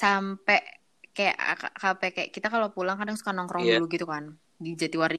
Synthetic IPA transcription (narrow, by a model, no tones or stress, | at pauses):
sampɛʔ | kaja̰ʔka̰kapɛkajaʔkit̪akalopulaŋkadaŋsu̥kanɔŋkɾɔŋduluɡit̪ukan | did͡ʒat̪iwaɾi